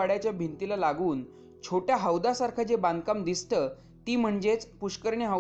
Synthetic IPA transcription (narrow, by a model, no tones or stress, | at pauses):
aɽjat͡ɕjabʱint̪ilalaɡuːn | t͡ɕʰoʈjaɦəwd̪asaɾkʰad͡zebãnd̪kamd̪ist̪əː | t̪iːm̤əɳd͡zet͡spuɕkəɾɳiɦə